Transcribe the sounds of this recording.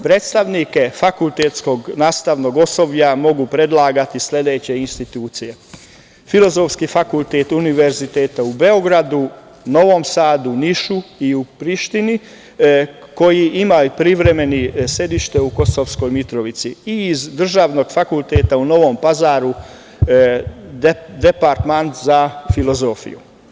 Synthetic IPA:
pɾeːt̪st̪aʋnike̞fakulˠt̪et̪sko̞ɡnaːst̪aʋno̞ɡo̞so̞bʎamo̞ɡupɾe̞d̪lˠaːɡat̪isle̞d̪e̞ːt͡ɕe̞inst̪it̪uːt̪sije̞ | filo̞zo̞fskifakulˠt̪et̪uniʋe̞ɾzit̪eːt̪aube̞oɡɾad̪u | no̞ʋo̞msaːd̪uniʃuiupɾiʃt̪ini | ko̞jiʔimaopɾiʋɾe̞me̞nisje̞d̪iʃt̪euko̞soʋsko̞jmit̪ɾo̞ʋit̪siiːzd̪r̩ʒaːʋno̞ːɡfakulˠt̪eːt̪auno̞ʋo̞mpazaːɾu | d̪epaɾt̪mant̪zafilo̞zoːfḭjṵ

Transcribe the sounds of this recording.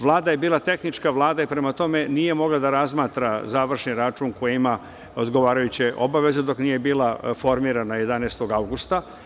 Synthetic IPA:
ʋlˠaːd̪aje̞biːlˠat̪e̞xnit͡ʃkaʋlˠaːd̪aipɾe̞mat̪o̞me̞niːje̞mo̞ɡlad̪aɾazmaːt̪ɾazaːʋr̩ʃniɾat͡ʂuŋkojima | od̪ɡo̞ʋaːɾajut͡ɕeʔo̞baʋe̞zed̪o̞knije̞biːlˠafo̞ɾmiːɾanaje̞d̪anest̪o̞ɡawɡust̪a

